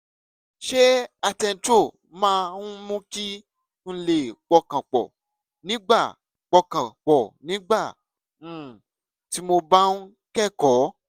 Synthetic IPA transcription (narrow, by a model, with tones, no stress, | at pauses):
ʃe˦a˧tɛ˧n̩˨˧to˦˨ | mãː˦˧nũ˦mũ˦ki˦ | ñ̩˦le˨k͡pɔ˧kã˨k͡pɔ̰˨ | nĩ˨˦ɡ͡ba˦˨ | k͡pɔ˧kã˨k͡pɔ˨nĩ˨˦ɡ͡ba˦˨ | ũ˨ | ti˨˦mo˧ba˦nũ˦ | kɛ˦˨kɔ˨˦